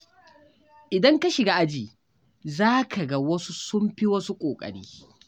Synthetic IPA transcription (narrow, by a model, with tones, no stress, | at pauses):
ʔɪ˨dɐ˦ŋka˦ʃɪ˨ɡa˨ʔa˦d͡ʒiː˨ | zaː˦kʰa˨ɡɐ˦wɐ˦su˦sʊ˦mɸi˦wɐ˦su˦kʷʼoː˨kʼɐ̰˨ɽḭː˦